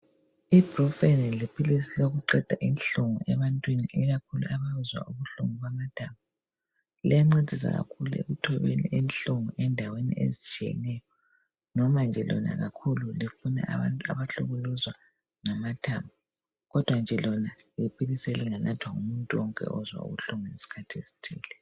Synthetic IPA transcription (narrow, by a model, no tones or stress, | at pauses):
ib̥rɔfenilipʰilisiloɣuǃɛd̥ʱaʔinɬuŋuɛβantʼwiniʔɛɣakʰuluʔaβaβuzwa̰ʔuβuɬṵŋuβamatʰambu | lḭjaŋ͡ǀed̥ʱisa̰ɣa̰kʰuluḛɣutʰɔβḛnḭʔɛnɬuŋɔʔɛndʱawenḭḛzit͡ʃʰʼijɛ̰nɛjɔ | nɔmand͡ʒʱɛlɔ̰na̰ɣakʰululifuna̰ʔatʼa̰βaɬuɣuluzwa | ŋamatʰamb̚u | ɣɔd̥ʱwand͡ʒʱɛlɔnalipʰʼiɣisɛliŋanʔatʰwaŋumuntʼuwɔŋkʼɛ̰ɔzwa̰ṵɣuɬuŋɔnesi̥kʰatʰesi̥tʰiːlɛ